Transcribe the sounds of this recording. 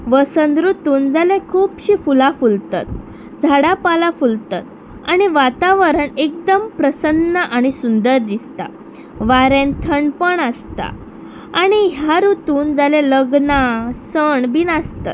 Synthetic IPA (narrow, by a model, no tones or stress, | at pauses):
ʋəsənd̪ɾut̪uːnd͡zalẽkʰuːpɕiːfulafult̪a̰t̪̚ | d͡zʱaɽapalafult̪a̰t̪ | aɽ̃iʋat̪aʋəɾəɳek̚d̪əmpɾəsənːəʔaɽ̃isund̪əɾd̪ist̪a̰ | ʋaɾẽnt̪ʰəɳpəɳəst̪a̰ | aɽ̃iɦjaɾut̪uːnd͡zaleləɡnasəɳbinast̪a̰t̪̚